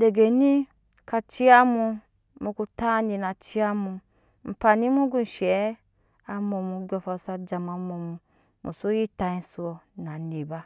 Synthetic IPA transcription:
de˨ɡe˨ni˦ | ka˧t͡ʃi˦a˦mu˧ | mu˧ku˧ta˦ni˧na˨t͡ʃi˦a˧mu˧ | m̩˨pa˧ni˦mu˦ɡu˦n˨ʃɛ˨˦ | a˧mo˧mu˧ɡʲɔ˧fa˧˨sa˧d͡ʒa˧m˧a˧mo˧mu˧ | mṵ˨su˦ji˦ta˧i˧n˦su˧ɔ˧na˨ne˨ba˦

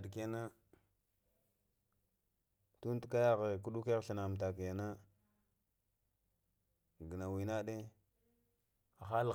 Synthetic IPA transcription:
dke˦na˦ | tu˦n˦tka˦ja˦ɣe˨ku˦ɗu˦ke˦ɣɬi˨na˨m˨t̬a˨ka˨na˦ | ɡə˨na˨wi˨na˦ɗe˦ | a˨xa˦l

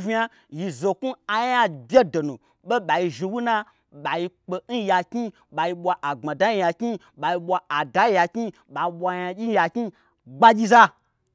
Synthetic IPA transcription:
vʲi˦a˧ | ji˧zo˨ku˦a˨ja˦bʲe˦do˨nu˨ | ɓe˦ɓa˨ji˧ʒi˧wu˦na˦ | ɓa˨ji˧k͡pe˧n̩˦ja˧kʲi˦ | ɓa˨ji˧ɓʷa˧ʔa˨ŋ͡ma˨da˨˦ji˧ja˧kʲi˦ | ɓa˨ji˧ɓʷa˧a˨da˨˦ji˧ja˧kʲi˦ | ɓa˨i˧ɓʷa˧ja˧d͡ʒʲi˦ja˧ki˦ | ɡ͡ba˦d͡ʒʲi˦za˦

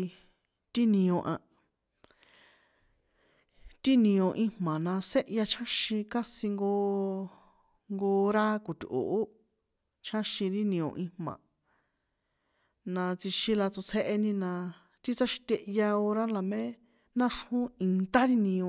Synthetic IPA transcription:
t̪i˦nĩ˧õ˧ʔã˧ | t̪i˦nĩ˧õ˧ʔĩ˧hmã˨nã˧se˦ʔja˧t͡ʃʰã˦ʃĩ˧ka˦sĩ˧ŋɡo˧ | ŋɡo˧ɾa˦ku˨t̪ʲʔṵ˨ʔː | t͡ʃʰã˦ʃĩ˧ɾi˦nĩ˧õ̰˧ʔĩ˧hmã̰˨ | nã˧t͡si˧ʃĩ˧la˧t͡su˧t͡sʰe˦ʔe˧nĩ˧nã˧ | t̪i˦t͡sa˦ʃi̥˧t̪ʲe˧ʔja˧o˧ɾa˦la˨mẽ˦ | nã˦ʂhũ˦i˧nt̪a˦ɾi˦nĩ˧õ˧

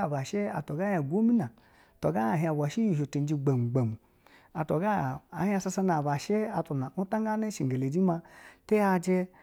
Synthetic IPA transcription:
a˨ba˨ʃe˦a̰˨to˨ɡa˦ha˨ɡʷo˦mi˦na˨ | to˨ɡa˦a˨ɦi˧a˨bʷa˨ʃi˦ji˨ʃo˨te˨n˦d͡ʒi˧ɡ͡be˨m˨ɡ͡be˨m˨ | a˨to˨ɡa˦˨a˨hi˦a˧sa˧sa˧na˨ba˨ʃe˦a˨to˨na˨u˦ta˦ŋɡa˦ne˦ʃi˨ɡe˨le˨d͡ʒi˦ma˧te˦ja˧d͡ʒe˧

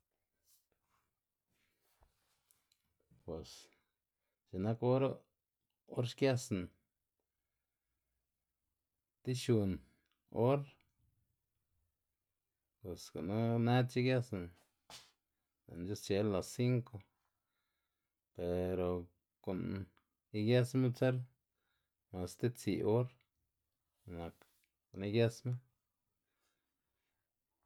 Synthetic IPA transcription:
pwe˨s | t͡ʃi˨na˦ko˦ɾa˦ | o˦ɾʃkja˦sna˨ | t̪i˦ʃu˧n | o˦ɾ | pwe˨sko˨nu˦ne˦t̪t͡ʃi˦kja˦sna˨ | la̰˨nd͡ʒu˦st͡ʃe˧lːa˨si˦ŋko˧ | pe˨ɾo˨ | ko˨n | i˦˧ɡje˦sme˦t͡se˦ɾ | ma˨st̪e˦t͡sḭ˨ʔo˦ɾ | na˨k | ko˨ni˦ɡje˦sme˦

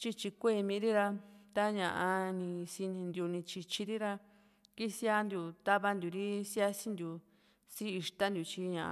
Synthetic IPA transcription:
t͡ʃi˧t͡ʃi˧kʷe˦˧˨mĩ˧˦ɾi˦ɾa˧t̪a˦ɲã˨ʔã˧nĩ˧si˧nĩ˧nd̪ju˧nĩ˧t͡ʃi˧t͡ʃi˧ɾi˦ɾa˧ | ki˦si˦a˦nd̪ju˧t̪a˦βa˧nd̪ʲu˨ɾi˦si˦a˦si˦nd̪ju˨ | siː˦˧ʂt̪a˦nd̪ju˧t͡ʃi˧ɲã˨ʔ

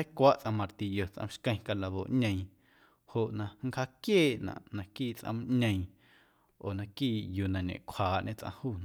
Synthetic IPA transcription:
a˦kʷa˦ʔt͡sʔã˧mã˧ɾt̪i˨jo˨t͡sʔã̰˧m˦ʃkə̃˧j̃ka˧la˧βo̰˨ʔɲẽ˧j̃ | ho˨ʔnã˧ŋ̩˦kha˧˦kjeː˦˨ʔnã̰˨ʔnã˨kiː˦˨t͡sʔã̰˧m˦ɲə̃˧j̃ | oː˨nã˧kiː˦˨ju˨nã˨ɲḛ̃˨ʔkʷʰhaː˨˦ʔɲʔẽ˦t͡sʔã̰˧huː˦˨ñ˨

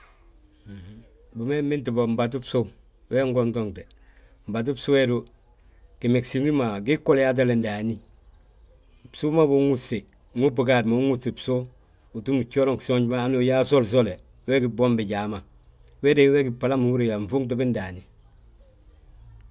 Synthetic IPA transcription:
bu˨me˦mi˦nti˨bo˨m̩˨ba˨t̬u˦pso˦ | we˦ŋɡo˦nto˦ŋte˨ | m̩˨ba˨t̬u˦pso˦we˦do˦ | ki˨me˨ksi˨i˦ma˨ɡi˦kːo˦lja˦t̬a˦le˨ndaː˨ni˦ | psu˦ma˦bu˨˦ŋu˦se˨ | ŋu˦pu˨ka˨dma˨˦ŋu˦se˨pso˦ | u˨tu˦mu˨t͡ʃo˦lo˦ŋkso˦ɲɟba˦a˦nu˦˨ja˦so˦ls̬o˦le˨ | we˦ɡi˨bo˦mbi˨ɟaː˨ma˨ | we˦de˨˦we˦ɡi˨pa˨la˦mu˨wu˦ɾe˨ja˨ɱ˨fu˦ŋt̬i˦bi˦nda˨ni˨

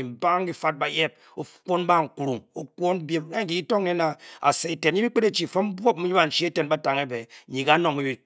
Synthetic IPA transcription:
i˨m̩˨ba˦ŋ˦ɡi˦fa˦t̚ba˨je˦p̚ | o˦ko˦n˦ba˦˨ŋ̩˨ku˨ɾu˨ŋo˦kwo˦n˦bje˦m˦a˦˨ɡi˨i˦to˦ŋ˦ne˦na˨a̰˨se˨i˨te˨ɲi˦bi˦k͡pe˦ɾe˦t͡ʃi˨fo˦m˦bʷo˦p̚mi˦ɲi˦ba˨n̩˨t͡ʃi˦e˦te˨nba˦ta˨ŋe˦be˨ɲi˨ka˦no˨ŋmi˦bi˨

